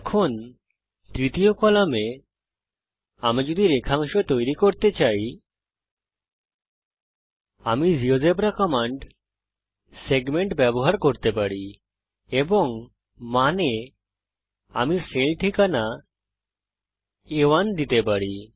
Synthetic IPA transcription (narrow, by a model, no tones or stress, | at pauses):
ɛkʰon | t̪ɾit̪ijokɔlame | amad͡ʑod̪iɾekʰaŋʃot̪ojɾikoɾt̪et͡ɕaj | amid͡ʑiod͡ʒepɾakɔmaɳɖ | seɡmeɳʈbɛboɦaɾkoɾt̪epaɽi | eboŋ | mane | a̰miselʈʰikana | ewand̪it̪epaɽi